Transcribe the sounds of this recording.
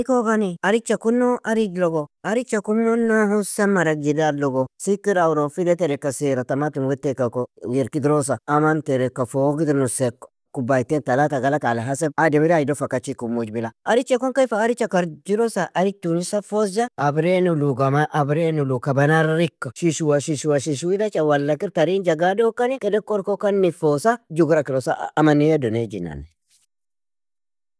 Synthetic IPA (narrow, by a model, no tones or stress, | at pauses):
koɡaniaɾit͡ʃakunːoʔaɾid͡ʒloɡoaɾit͡ʃakumnonohusamːaɾaɡidaɾloɡosikːiɾawuɾofileteɾekasiɾatamatinwetekakojeɾkidɾos̬aamanteɾekːafoɡidiɾnusek | kubaitentalataɡalakalaɦaseb̚adebiɾiaidofakat͡ʃikumud͡ʒbilaʔɐɾɪt͡ʃːɛkɔŋkɐɪfɐːɾɪt͡ʃːɐkɐɾd͡ʒɪɾɔsɐʔɐɾɪt̪ːunɪsɐfɔzɐɐbɾenʊluɡɐmʔɐbɾeːnʊlukɐbɐnɐɾɾɪkːɐʃɪʃuwɐʃɪʃuwɐʃɪʃuɪd̪ɐt͡ʃɐwɐlːɐkɪɾt̪ɐɾiːnd͡ʒɐɡaːdoːkːɐnɪkɛdɛkɔɾkɔkɐnːɪfoːsɐd͡ʒʊɡɾɐkɪɾɔsa̰ɐmɐnijɐd̪ɔned͡ʒɪna̰n